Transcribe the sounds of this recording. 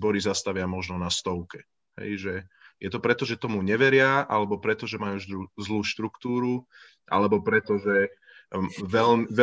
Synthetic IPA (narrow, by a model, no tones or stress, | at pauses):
bɔɾizast̪aʋɪamɔʒnɔnast̪ɔʊkɛ | ɦɛ̰jʒɛjɛt̪ɔpɾɛt̪ɔʒɛt̪ɔmuɲɛʋɛɾɪaʔa̰lɛbɔpɾɛt̪ɔʒɛmajuːʒd̪ɾuzluːʃt̪ɾukt̪uːɾu | ʔa̰lɛbɔpɾɛt̪ɔʒɛ | ʋɛlmʋɛ